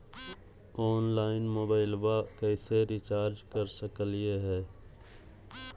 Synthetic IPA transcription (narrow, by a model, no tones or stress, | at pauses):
ɔːnlaːɪnmoːbaːɪlwakɛːseɾɪt͡ʃaːɾd͡ʒkəɾsəkəljeɦɛː